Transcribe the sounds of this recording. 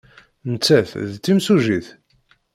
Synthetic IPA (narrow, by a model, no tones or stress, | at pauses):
nət͡sːæθðt͡sːimsuʒiθ